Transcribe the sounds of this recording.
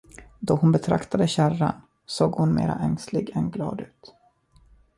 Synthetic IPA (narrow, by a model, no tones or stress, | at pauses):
d̪ɔhʊnbɛt̪ʰɾakt̪ad̪əɕæran | soːɡhʊnmeːɾa̰ʔɛŋslɪɡɛnɡlɑːd̪ʉ̟ːt̪